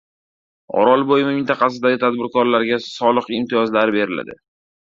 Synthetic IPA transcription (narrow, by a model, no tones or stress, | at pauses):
ɒ̰ɾɒlˠbojɪmɪmɪnt̪ʰɑqɑs̬ɪd̪aɡʲɪt̪ʰad̪̚bɪɾkɒɾlaɾɡʲasɒlˠɨqɪmt̪ʰɪjɒzlaɾɪbe̞ɾɪla̰d̪ɪ̰